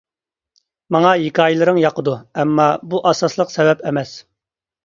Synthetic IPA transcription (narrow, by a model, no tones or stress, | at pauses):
mɑŋɑjikʰɑːjilˠɨɾɨŋjɑqəd̪uɛmːɑbuʔɑsɑslˠəqsɛvɛpʰɛmɛs